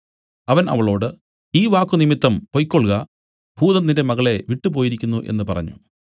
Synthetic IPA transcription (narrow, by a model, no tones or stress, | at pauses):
ɐʋɐnɐ̰ʋɐɭo̞ːɽɨ | iːʋaːkːunimit̪ːɐmpojkːoɭɣɐ | bʱuːðɐnːinde̞mɐɣɐɭe̞ʋiʈːɨpo̞ːjiɾikʲːunːuʔe̞̰nːɨpɐrɐ̰ɲːṵ